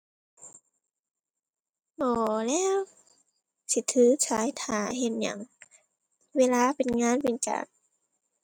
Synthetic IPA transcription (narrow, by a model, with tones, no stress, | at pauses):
bɔː˧lɛː˧˥˨w | si˧˦t̪ʰɯː˨˧˦t͡ɕʰaː˨˦jt̪ʰaː˨˩ɦe˧˥n̚ɲa̰˧˦ŋ | weː˧˥˨laː˧˨pe˨nŋaː˧˥˨npe˨nt͡ɕa̰ː˨˩ŋ̚